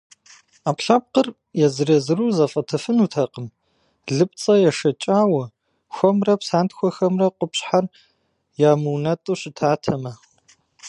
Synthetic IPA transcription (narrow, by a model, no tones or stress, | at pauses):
aːpɬap̚qər | jɛzɨɾɐzɨruːzɐfʼɐtʰɐfɨnutʰɐqəm | ɮɨpʼt͡sʼɐjɛʂɐt͡ʃʼaːwɐ | xʷɔmrɐpsaːntxʷɔxɐmrɐqʷʊpɕħar | jaːmɨwnɐtʼuɕɪtʰaːtʰɐmɐ